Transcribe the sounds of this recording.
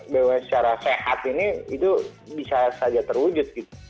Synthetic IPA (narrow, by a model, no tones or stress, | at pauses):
bewasə̥t͡ʃaɾasehat̪iniit̪ubisasad͡ʒat̪ərwud͡ʒʊt̪̚ɡit̪u̥